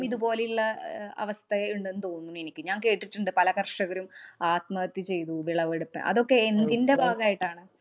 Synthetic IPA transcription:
miðubo̞ːlilːɐɐ̰ʋɐst̪ʰɐɐuɳɖenːɨt̪o̞ːnːunːenikʲːɨɲaːŋke̞ːʈːiʈːuɳɖɨpɐlɐkɐrʂɐɣɐɾumaːt̪mɐɐt̪ːit͡ɕe̞jt̪uʋiɭɐʋeɽupːɨ̰ʔɐ̰ðo̞kːe̞end̪inde̞bʱaːɡaːjiʈːaːɳɨ

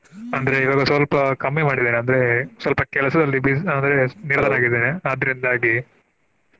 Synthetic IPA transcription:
ɐnd̪ɐɾeiʋaːɡɐsʋɐlpɐkɐmːimaːɽid̪eːneɐnd̪ɐɾe̞sʋɐlpɐkɛɭɐsɐd̪ɐlːibiɐnd̪ɾeniɾd̪ɐːnaːɡiɾd̪eːneɐd̪ɐɾind̪aːɡi

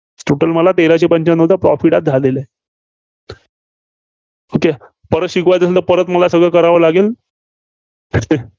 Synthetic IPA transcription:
sʈuʈəlməlat̪eɾat͡ɕepəɲt͡ɕanəwt̪apɾɔfiʈat̪̚d͡zʱalele | oke | pəɾəɕikʋajt̪əslt̪əpəɾət̪məlasəɡɭekəɾaʋəlaɡel | et̪e

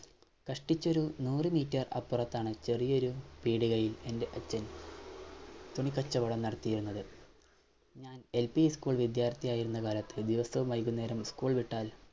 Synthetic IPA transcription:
kɐʂʈit͡ɕːo̞ɾunuːrɨmiːtːɐrɐ̰pːurɐt̪ːaːɳɨt͡ɕe̞rijɐo̞ɾupiːɽuɣɐjile̞nde̞ʔɐt͡ɕːɐn | t̪oɳikɐt͡ɕːɐʋɐɽɐmnɐɽɐt̪ːijiɾunːɐðɨ | ɲaːne̞lpiskuːɭʋid̪jaːrt̪ːijaːjiɾunːɐkaːlɐt̪ːɨd̪iʋɐsɐʋumɐjk̬ːunːeːɾɐmskuːɭʋiʈːaːl

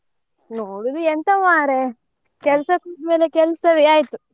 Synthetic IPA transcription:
noːɽud̪uɛnt̪ɐʋaːɾe | kɛlɐsɐkuːʈmeːlekɛlsɐʋiaːjit̪u

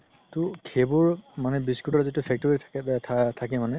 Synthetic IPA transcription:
tʊkʰebɔɹmanɛbiskɹutɔɹzitupʰɛk̚tɔɹi | tʰakɛmanɛ

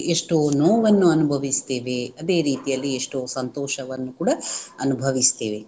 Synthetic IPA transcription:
eʂʈonoːʋɐnːuɐnubʱɐʋist̪e̞ːʋeɐd̪eːɾiːt̪ijɐlːieʂʈoːsɐnt̪oːʃɐʋɐnːukuːɽɐɐnubʱɐʋist̪e̞̰ːʋe

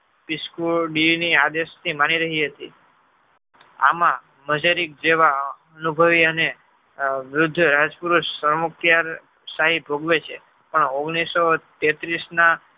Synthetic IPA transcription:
piskuɖiniad̪eʃt̪ʰimaniɾəɦiɦət̪ḭ | a̰mã | məd͡ʒaɾik̚d͡ʒeʋa | ənubʱəʋiəne | ʋɾʊd̪ʱːɾad͡ʒpuɾuʃsəɾməkjaɾ | saɦibʱoɡʋet͡ʃʰe | pəɳoɡnisot̪et̪ɾisna

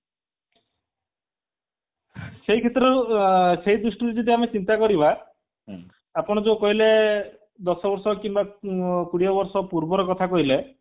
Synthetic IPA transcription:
seɦikʰet̪ɾɔseɦid̪ɾusʈiɾid͡ʒɔd̪iamet͡ʃint̪akɔɾiba | pɔɽ̃ɔd͡ʒokɔɦile | d̪ɔsɔbɔɾsɔkimbakuɽiɔbɔɾsɔpuɾbɔɾɔkɔt̪ʰakɔɦile

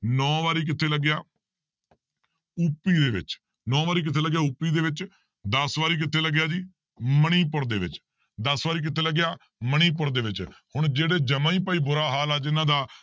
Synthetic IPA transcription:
nɔ̃ːʋaːɾiːk̬ɪt̪ʰeːləɡjaː | upːiːd̪eːʋɪ̰t͡ʃ | nɔ̃ːʋaːɾiːk̬ɪt̪ʰeːləɡjaːupiːd̪eːʋɪt͡ʃ | d̪əsʋaːɾiːk̬ɪt̪ʰeːləɡjaːd͡ʒiː | məɽ̃iːpʊɾd̪eːʋɪ̰t͡ʃ | d̪əsʋaːɾiːk̬ɪt̪ʰeːləɡːɪjaː | məɽ̃iːp̬ʊɾd̪eːʋɪt͡ʃhʊɳ̃d͡ʒeːɽeːd͡ʒəmãːiːpaːiːbʊɾaːɦaːlaːd͡ʒɪnãːd̪aː

